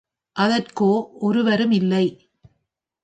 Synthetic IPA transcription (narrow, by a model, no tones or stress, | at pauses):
ʔɐðɐrkoːʔɔɾɯʋɐɾɯmɪlːɐɪ